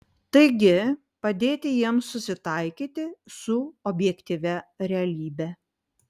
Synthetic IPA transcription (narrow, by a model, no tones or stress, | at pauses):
t̪ɐɪɡʲɪ | pɐd̪ʲeːt̪ʲɪjiɛmsːʊsʲɪt̪ɐɪkʲiːt̪ʲɪsʊɔbʲjɛkʲt̪ʲiʋʲɛɾʲɛɐlʲiːbʲɛ